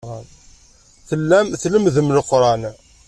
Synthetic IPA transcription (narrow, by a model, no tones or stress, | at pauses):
ʁən | θəlːæmθləmðəmləqːɾˤɑn